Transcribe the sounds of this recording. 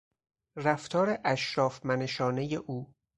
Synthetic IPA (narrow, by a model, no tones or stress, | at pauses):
ræft̪ʰɒːɾeʔæʃɾɒːfmæneʃɒːnejeʔuː